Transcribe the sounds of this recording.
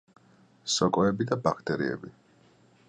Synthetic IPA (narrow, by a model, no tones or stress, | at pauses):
sɔkʼɔɛbid̪abakʰt̪ʼɛɾḭɛ̰bi